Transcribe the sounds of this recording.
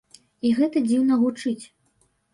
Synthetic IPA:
iɣɛt̪ɐd͡zʲiwnɐɣut͡ʂɨt͡sʲ

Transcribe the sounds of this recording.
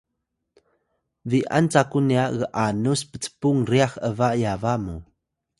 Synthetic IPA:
viʔa̰nt͡sakuniaɣəʔanuspə̥t͡sə̥puŋriaxəvajavamu

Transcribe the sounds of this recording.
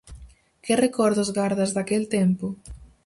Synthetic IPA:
kɪrekɔɾðʊzɣaɾðɐzðakelt̪empʊ

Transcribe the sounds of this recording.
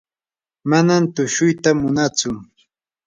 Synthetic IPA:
manamt̪ʊʃʊjt̪amʊnat͡sʊ

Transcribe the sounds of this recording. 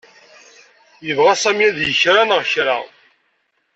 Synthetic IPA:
jəvʁasæmjæðjəçɾanʁçɾa̰

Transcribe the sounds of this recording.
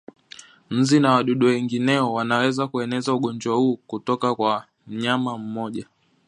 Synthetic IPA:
m̩zinawaɗuɗuwɛŋɡinɛɔwanawɛzakuɛnɛzauɠɔnd͡ʒwahuːkutɔkakwa | m̩ɲamam̩mɔʄa

